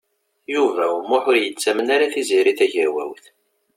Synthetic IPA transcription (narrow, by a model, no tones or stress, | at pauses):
juvæmːʊħʊɾjət͡sːæmənaɾaθiziɾiθæʝəɾwæ̰wθ